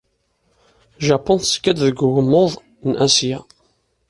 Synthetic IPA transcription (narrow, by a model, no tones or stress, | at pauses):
ʒɑpːɔnθə̥skːæd̪ðəɡʊɣəmːoðˤ | nʔæsja